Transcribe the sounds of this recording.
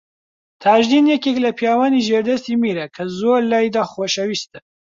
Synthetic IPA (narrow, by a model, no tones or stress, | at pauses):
t̪ʰaːʒd̪injɛkeklɐpʰijaːwaniʒeɾd̪ɐst̪imiɾɐkʰɐzoɾlaːjd̪axwoʃɐwist̪ə